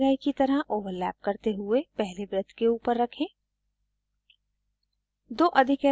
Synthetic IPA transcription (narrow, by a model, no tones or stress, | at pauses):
ɾaːikit̪ɐɾəʔoːʋəɾlɛːp̚kɐɾt̪eɦʊepɛɦlebɾɪt̪ʰkeuːpəɾːɐkʰẽː | d̪oːʔɐd̪ʱɪkɛ